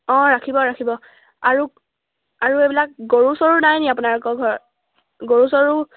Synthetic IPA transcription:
ɔ̃ɹakʰibɔɹakʰibɔ | aɹu | aɹuejbilak̚ɡoɹusɔɹunajniapunaɹkɔɡʱɔɹ | ɡoɹusɔɹu

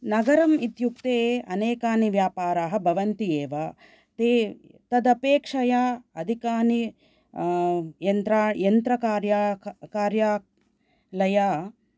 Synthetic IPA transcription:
nɐɡɐɾɐmit̪juk̚t̪eːɐneːkaːniʋjaːpaːɾaːɦɐ̆bʱɐʋɐnt̪ieːʋa | t̪eː | t̪ɐd̪ɐpeːkʂɐjaːɐd̪ʱikaːni | jɐnt̪ɾaːjɐnt̪ɾɐkaːɾjakaːɾjaː | lɐjaː

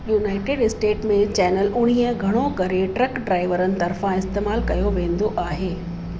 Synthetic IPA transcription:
juːnaːɪʈeːɖɪsʈeːʈmẽt͡ɕɛːnəlʊɽ̤̃ijəɡʱɐɽ̃okɐɾeʈɾɐkɖɾaːɪʋəɾənɪ̆t̪ɐɾfãɪst̪eːmaːlkɐjoʋẽːn̆d̪oʔaːɦeː

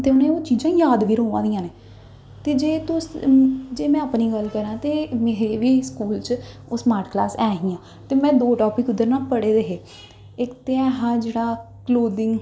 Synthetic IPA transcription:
t̪eːʊnẽːoːt͡ʃiːd͡ʒãːjaːd̪ʋiːɾoːʋãːd̪ijãːneː | t̪eːd͡ʒeːt̪ʊsd͡ʒeːmɛ̃ːəpniːɡəlkəɾãːt̪eːmeːɾeʋiːskuːlt͡ʃoːsmaːɾʈklaːsɛːɦĩːãː | t̪eːmɛ̃ːd̪oːʈɔːpɪkʊd̪ːəɾnãːpəɽeːd̪eːɦeː | ɪkt̪eːɛːɦãːd͡ʒeːɽaːkloːd̪ɪŋɡ

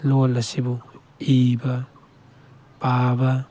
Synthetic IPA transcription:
lolasibu | iba | paba

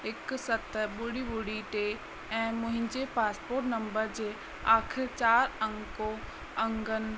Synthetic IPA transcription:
ɪksɐt̪ɓʊɽiɓʊɽiʈeː | ɛ̃ːmʊ̃ɦɪ̃ɲd͡ʑepaːspoːɾʈnɐ̃mbəɾd͡ʑeː | aːkʰɪɾt͡ɕaːɾɐ̃ŋko | ɐ̃ŋɡənɪ̆

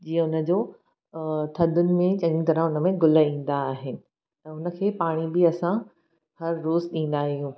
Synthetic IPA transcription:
d͡ʑiːə̃ʊnə̆d͡ʑoː | t̪ʰɐd̪ʱʊnɪ̆mẽt͡ɕɐ̃ɲĩt̪ɐɾə̃ʊnə̆mẽɡʊləĩːn̆d̪aːɦɪnɪ̆ | t̪ɐʊnə̆kʰeːpaːɽ̃ibɪɐsã | hɐɾːoːzɗĩːn̆d̪aːɦijũː

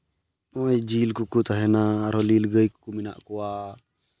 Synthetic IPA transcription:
nɔjd͡ʒilkukut̪aɦɛnaːɾɔlilɡəjku̥kuminaʔkua

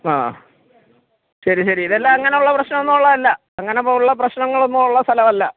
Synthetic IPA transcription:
aː | ɕɐɾiɕɐɾiiðɐlːɐːŋːɐne̞juɭːɐprɐɕnɐmonːumuɭːɐɐlːɐ | ɐŋːɐnepouɭːɐp̬rɐɕnɐŋːɐɭonːuuɭːɐst̪ʰɐlɐʋɐlːɐ

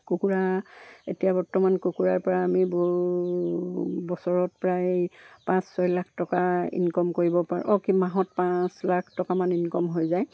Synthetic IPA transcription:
kukuɹaetijabɔɹtɔmankukuɹaɹpɔɹaːmibɔ | bɔsɔɹɔt̚pɹajpãsːɔjlakʰtɔkaḭnkɔmkoɹibɔpaɹ̰ʔɔkimaɦɔt̚pãslakʰtɔkamaninkɔmɦojzaj

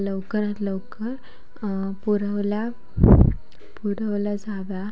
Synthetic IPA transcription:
ləwkəɾãt̪ləwkəɾ | puɾəʋla | puɽəʋlad͡zaʋa

